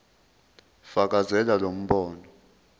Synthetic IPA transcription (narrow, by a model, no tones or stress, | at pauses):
fak̬ʼazɛlalom̩ɓɔːnɔ